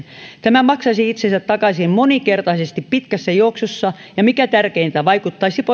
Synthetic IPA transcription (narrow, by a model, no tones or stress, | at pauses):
t̪æmæmɑksɑsiit̪sensæt̪t̪ɑkɑsimmonikert̪ɑisest̪ippit̪kæsːæjouksosːɑ | jɑmikæt̪ærkeint̪æʋɑikut̪ːɑisipo